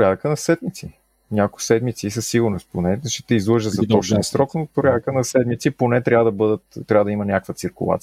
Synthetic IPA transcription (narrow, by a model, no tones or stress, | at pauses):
ɾʲjad̪əkənɐsɛd̪mit̪si | nʲakʊsɛd̪mit̪siːs̬əsːiɡʊɾnosponɛʃt͡ʃɛt̪ɛizlˠɤʒəzɐt̪ɔt͡ʃ̪ɛnsɾɔknot̪̚poɾʲjad̪əkənɐsɛd̪mit̪siponɛt̪ɾʲavəd̪ɐbəd̪ət̪t̪ːɾʲavəd̪əimənʲakəkvət̪siɾkʊlˠa̰t̪si